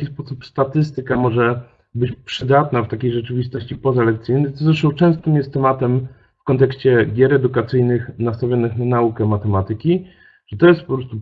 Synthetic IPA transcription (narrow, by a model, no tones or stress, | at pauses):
kʲispɔsupst̪at̪ɘs̬t̪ɘkamɔʐɛ | bɘt͡ɕpʂɘd̪at̪naft̪akʲejʐɛt͡ʂɘvʲist̪ɔɕt͡ɕipɔzalɛk̚t̪sɘjnɘt̪ɔzɾɛʂt̪ɔ̃w̃t͡ʂɛ̃w̃st̪ɨmjɛst̪ːɛmat̪ɛm | fkɔnt̪ɛkɕt͡ɕɛɡʲjɛɾɛd̪ukat̪sɘjnɘxnast̪avʲjɔnɘxnanaukɛmat̪ɛmat̪ɘkʲi | ʐ̥ɛt̪ɔjɛst̪̚pɔpɾɔst̪u